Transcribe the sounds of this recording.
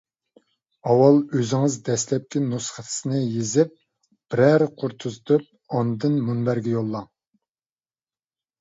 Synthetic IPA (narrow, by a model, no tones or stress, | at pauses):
ɑwɑlˠøzɪŋɨzd̪ɛslɛp̚kʲinusχət̪ʰɨ̥snɨjezɪp̚ | b̥ɪɾæɾqʰʊɾt̪ʰuzd̪ɨp̚ | ɑnd̪ɨnmunbæɾɡʲɛjolˠːɑŋ